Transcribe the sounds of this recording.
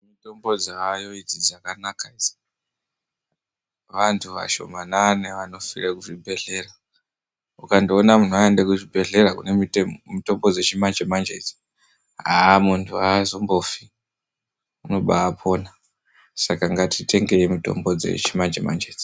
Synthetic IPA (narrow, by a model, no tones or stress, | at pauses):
mito̞mbo̞d͡zeajo̞id͡zizakanakazi | ʋantʰuʋa̰ʃo̞̰mananeʋano̞firekuʐibʱe̞ɮe̞ra | ukandionamun̤uaendekuʐibʱe̞ɮe̞rakunemito̞mbo̞d͡zet͡ʃimand͡ʒemand͡ʒeti̥ | ɦamuntʰuazo̞mbo̞fi | uno̞ɓaːpʰo̞ːna | sakaŋɡatʰitʰe̞ŋɡe̞imito̞̰mbo̞d͡ze̞̰t͡ʃimand͡ʒema̰nd͡ʒed͡zi